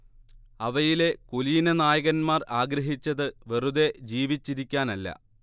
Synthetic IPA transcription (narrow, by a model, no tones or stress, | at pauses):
ɐʋɐjile̞koliːnɐnaːjɐɣɐnmaːraːɡɾɐɦit͡ɕːɐðɨʋeruðe̞d͡ʑiːʋit͡ɕːiɾikʲːaːnɐlːɐ̰